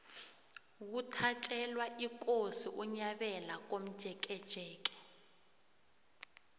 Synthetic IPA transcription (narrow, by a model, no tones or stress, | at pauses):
k̬utʰat͡ʃʼɛlwaʔik̬ʼosiʔuɲaɓɛlak̬om̩d̥ʒ̥ʱɛk̬ʼɛd̥ʒ̥ʱɛːk̬ʼɛ̥